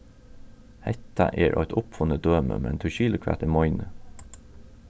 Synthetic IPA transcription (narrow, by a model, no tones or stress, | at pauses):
hɛt̪ɑʔeːɹʔœ̰ʏt̪ʊpfʊnəd̪øːmə̰mɛ̰nt̪ʰʉːʃiːləkʰʋæ̰ːt̪iːmɔʏnə